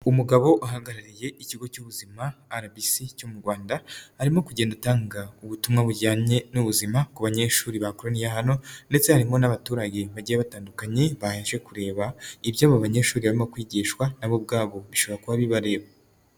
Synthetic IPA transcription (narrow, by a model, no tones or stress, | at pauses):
umuɡaβo̞ʔaɦaɡaɾaɾije̞ʔiciɡo̞cuβuzimaːɾabisicumuɾɡwaːndahaɾimo̞kuɟe̞ːndataːŋɡauβutumŋaβuɟaːɲenuβuzimakuβaɲe̞ʃuːɾiβakoɾonijaɦano̞nde̞t͡se̞haɾimo̞naβatuːɾaɟe̞βaɟijeβataːndukaɲe̞βajeʒɡe̞kuɾe̞ːβaibjaːβaβaɲe̞ːʃuːɾiβaɾimokwiːɟiːʃkwanaβob̚ɡaːβo̞βiʃo̞βoɾakuβaβiβaɾe̞ːβa